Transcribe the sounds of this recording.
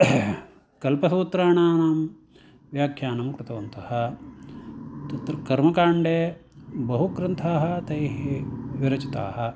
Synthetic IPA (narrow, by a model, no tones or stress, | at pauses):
kɐlpɐsuːt̪ɾaːɳaːnaːm | ʋjaːkʰjaːnɐmkɾɪt̪ɐʋɐnt̪ɐhɐ̆ | t̪ɐt̪ɾkɐɾmɐkaːɳɖeːbɐɦukɾɐnt̪ʰaːɦɐ̆t̪ɐjɦeʋiɾɐt͡ʃit̪a̰ːɦɐ̆